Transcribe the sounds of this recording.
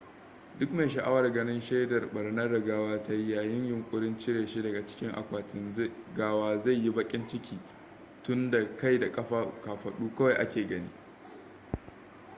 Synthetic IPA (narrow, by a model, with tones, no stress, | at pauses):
dʊ˦kme˨ʃɐ˨ʔa˦wɐ˨rɡɐ˦nɪ˦nʃe˦dɐ˨rɓɐ˨ɽnɐ˦da˨ɡaː˦waː˦ta˦jaː˨jɪ˦ɲjʊ˨ŋkʷʼʊ˦ɽɪ˦nt͡ʃɪ˦ɽeː˨ʃi˦dɐ˨ɡa˨t͡ʃɪ̥˦kʲɪ˦ŋʔa̰˨kʷaː˨tɪ˦nɡaː˦waː˦za˦˨jːi˦bɐ˦kʲʼɪ˦nt͡ʃɪ˦kʲiː˨ | tʊ˦nda˨ka˦jda˨kʼɐ˦ɸaː˦ka˨ɸɐ˨ɗuː˦kɐ˦wa˨jʔa˦kʲeː˨ɡɐ˦nḭː˦